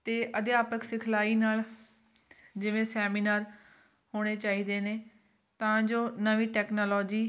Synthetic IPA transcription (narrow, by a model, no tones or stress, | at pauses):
t̪eːʔəd̪eaːpəksɪkʰlaːiːnaːl | d͡ʒɪʋẽːsɛːmiːnaːɾ | hoːɽ̃eːt͡ʃaːɦiːd̪eːneː | t̪ãːd͡ʒoːnəʋiːʈɛːknoːlɔːd͡ʒiː